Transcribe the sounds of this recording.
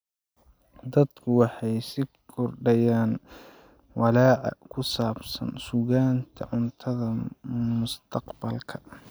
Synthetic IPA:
d̪ɐd̪kʰʊwɑħɑjsɪ | kʰɔrɖɐjaːn | wɑlɑːʕɑ̰kʰʊsaːbsɐ̰nsʊɣaːnt̪ʰɐ̰ʕʊnt̪ʰɐðɐmʊst̪ʰɐqbɐlkʰɐ̥

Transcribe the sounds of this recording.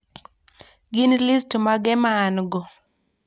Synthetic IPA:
ɡɪnlistmaɡɛmaːnɡɔ

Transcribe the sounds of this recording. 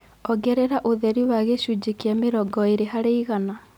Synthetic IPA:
ɔɡɛɾɛɾaʔoðɛɾiwaɣeʃud͡ʒekiameɾɔɡɔeɾeɦaɾeiɣana

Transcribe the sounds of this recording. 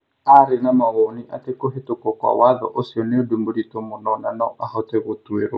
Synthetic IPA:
aɾenamaɣɔniʔatekoɦetokɔkwa̰waðɔ̰ʔosiɔneodumbuɾitomunɔnanɔʔahɔtɛɣot̪weɾo̰

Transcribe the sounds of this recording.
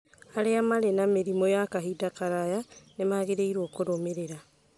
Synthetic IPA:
aɾeamaɾenameɾimojakaɦidakaɾajanemaɣeɾeiɾwɔkoɾomeɾeɾa

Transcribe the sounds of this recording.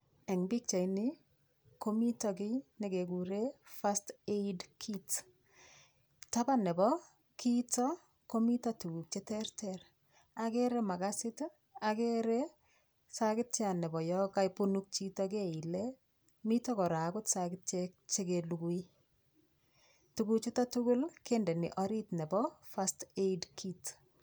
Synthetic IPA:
ɛŋbik̚t͡ʃainɪ | komitɔkɪneɡeɡuɾefasteidkʰit | tabanɛbɔ | kitɔ | komitɔtuuk̚t͡ʃetɛrtɛɾ | akeɾɛmaɡasɪt | akeɾɛ | sakɪt̚t͡ʃanɛbɔjɔkajpunuk̚t͡ʃitɔkeile | mitɔkɔɾakʊtsakɪt̚t͡ʃek̚t͡ʃekeluɡui | tuɡuk̚t͡ʃetatuɡʊlkendɛniʔɔɾitnɛbɔfasteidkʰit

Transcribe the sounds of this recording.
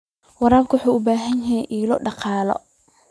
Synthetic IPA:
wɑɾaːbkʰʊwħuːʊbaːɦɐnjɪɛjʔiːlɔɖɑqɑːlɔ̰

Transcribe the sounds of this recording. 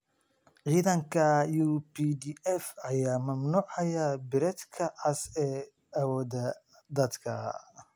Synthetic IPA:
ʕiːðɐŋkʰɐjupiːd̪iɛfɐjaːmɐmnuːʕɐjɐbɪɾɛd̪kʰɐʕɑsɛː | ɐwɔːðɐ | d̪ɐd̪kʰɐ

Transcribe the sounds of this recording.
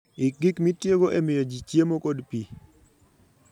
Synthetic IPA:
ɪɡikmitjeɡoʔemɪjod͡ʒit͡ʃjemokodpi

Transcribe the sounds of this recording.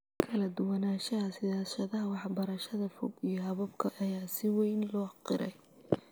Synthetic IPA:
kʰɐlɐd̪ʊwɐnaːʃɐɦɐsɪðaːʃɐðɐɦɐwɑħbɐɾɐʃɐðɐfɔɡijɞɦɐβɐbkʰɐʔɐjaːsɪwɛjnlɔːqɪɾɛj

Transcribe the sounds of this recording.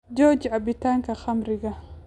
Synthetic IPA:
d͡ʒɔːd͡ʒʕabɪt̪aːŋkɐxɐmɾɪɡɐ

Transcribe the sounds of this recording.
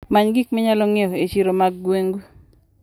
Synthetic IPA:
maɲɡikmɛɲalɔŋeoet͡ʃiɾomaɡːweŋɡu

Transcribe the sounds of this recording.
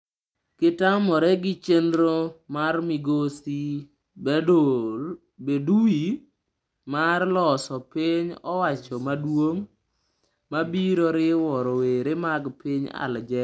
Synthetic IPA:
kɪtamɔɾɛɡɪt͡ʃendɾomarmiɡosi | bedui | marlɔsɔpɪɲɔwat͡ʃɔmadwoŋ | mabiɾoɾɪwɔɾoweɾemaɡpɪɲa̰ld͡ʒɛ

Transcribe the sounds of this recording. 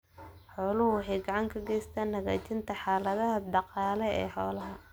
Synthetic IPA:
ħɔːlʊhʊwħɑjɡɑʕɑŋkʰɐɡɛjst̪ʰaːnːɐɣaːt͡ʃʰɪnt̪ʰɐħaːlɐðɐɦɐd̪ɑqɑːlɛɛ̰ːħɔːlɐɦɐ

